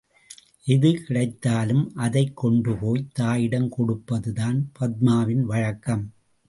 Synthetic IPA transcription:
ʔɪðɯkɪɽɐɪt̪ːaːlɯmʔɐðɐɪkːɔɳɖɯpoːjt̪aːjɪɽɐmkɔɽɯpːɐðɯðaːnpɐd̪̚maːʋɪnʋɐɻɐkːɐm

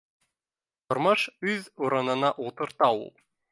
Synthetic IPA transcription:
t̪ŏɾmɤʃʉðuɾɤ̆nɤ̆nɑʔulˠt̪ɤ̆ɾt̪ɑṵlˠ

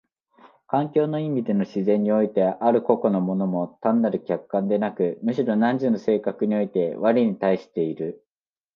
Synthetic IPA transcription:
kãŋkʲo̞ːno̞imʲid̪e̞no̞ɕizẽ̞ɲ̟ːio̞it̪e̞ʔaɾɯ̟ko̞ko̞no̞mo̞no̞mo̞t̪ãnːaɾɯ̟kʲakkːãnd̪e̞nakɯ̟mɯ̟ɕiɾo̞nãɲ̟d͡ʑino̞se̞ːkakɯ̟ɲ̟io̞it̪e̞βaɾʲiɲ̟it̪aiɕi̥t̪e̞iɾɯ̟

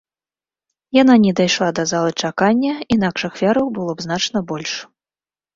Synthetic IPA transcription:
jan̪anʲɛd̪ajʂlˠad̪ɐzalˠɨt͡ʂakanʲːɐinakʂɐxfʲaɾɐwbɨlˠɔbznat͡ʂnɐbɔlʲʂ

